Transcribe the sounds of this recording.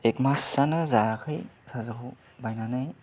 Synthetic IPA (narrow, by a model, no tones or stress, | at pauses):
ekmasːanɯzakʰɯjsazɯkʰo | bajnanaj